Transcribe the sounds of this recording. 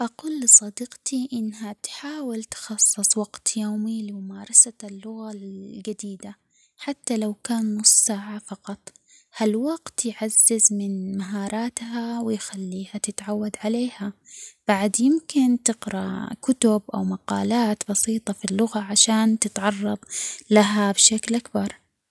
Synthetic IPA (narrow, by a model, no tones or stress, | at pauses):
ʔaquːlːɨsˤɑd̪iːqt̪iʔɪnːɦat̪ħaːwɪlt̪xɑsˤːɨsˤwɑɡt̪joːmilɪmʊmaːɾˤɑsalːʊɣaɡad̪iːd̪a | ħat̪ːalawkaːnmʊsːaʕafɑqɑt̪ˤhalwaɡt̪jʕazːɪzmɪnmaɦɑːɾˤɑːt̪hawɪjxalːiːhat̪ɪt̪ʕawːad̪ʕaleːhab̥aʕd̪jɪmkɪnt̪ɪqɾa̰kʊt̪ʊbʔa̰wmaqɑːlaːt̪bɑsiːt̪ˤɑfilːʊɣaʕaʃaːnt̪ɪt̪ʕɑrˤːɑðˤlaɦabʃaklʔakbɑɾˤ